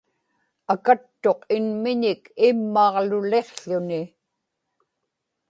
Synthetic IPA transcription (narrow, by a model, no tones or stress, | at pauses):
akat̪ːo̞qɪnmɪɲɪkɪmːɑʁlʊle̞qɬʊnɪ